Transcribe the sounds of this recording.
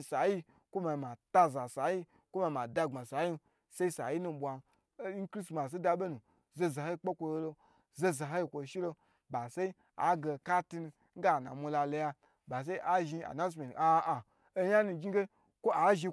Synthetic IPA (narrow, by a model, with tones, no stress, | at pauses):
sa˨ji˦ | kʷo˦ma˨ma˨ta˧za˨sa˨˦ji˦ | kʷo˦ma˧˨ma˨da˧ɡ͡ba˨sa˨˦ji˦˧˦ | se˦i˦sa̰˨ji˦nu˧˨ɓʷa˨˦ | kɾi˦sma˨s̬e˦da˧ɓe˦nu˨ | ze˧za˨ho˦i˧˦k͡pe˦kʷo˧lo˧lo˧ | ze˧za˨ɦo˦i˧kʷo˨ʃi˦lo˧ | ba˨se˦i˦ | a̰˦ɡe˧ka˦ti˧nu˧ | ŋ̩˦ɡa˦˨na̰˨mʷu˧la˧lo˧ja˧ | ba˨s̬e˦i˦ʔa˨ʒi˧a̰˨na˦s̬me˨a˧a˨ | o˦ja˦nu˧ɡʲi˦ɡe˦ | kʷo˦a˨ʒi˧